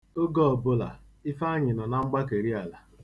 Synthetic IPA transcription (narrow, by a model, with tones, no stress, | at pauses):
o˦ɡɔ˦ɔ˨bʊ˦la̰˨ | ɪ˦fa˦ɲɪ˨nɔ˨na˦ŋ͡m̩˦ɡ͡ba˦k̬e˨ɾi˦a˨la˨